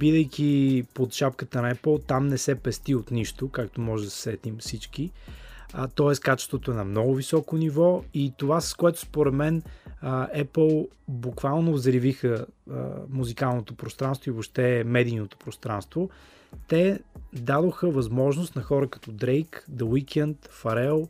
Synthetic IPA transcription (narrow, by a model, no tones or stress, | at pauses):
bid̪əjkʲipot̪ʃapkət̪ənɐɛplˠt̪amnɛsɛpɛst̪iot̪niʃt̪okakt̪omɔʒɛd̪ɐsɛ̥sɛt̪imfsit͡ʃk̟i | t̪ɔɛskat͡ʃɛ̥st̪vot̪oɛnɐmnɔɡʊvisɔkonivɔit̪ovasə̥skoɛt̪ʊ̥spoɾɛd̪mɛn | ɛpəlˠbukvalˠnovzɾivixəə̰muzikalˠnot̪opɾost̪ɾanst̪voivoʃt̪ɛmɛd̪ijnot̪o̥pɾost̪ɾanst̪vo | t̪ɛd̪ad̪oxəvɐzmɔʒnost̪nɐxɔɾəkɐ̥t̪ɔd̪ɾejkd̪ɐwikɛnt̪fɐɾɛlˠ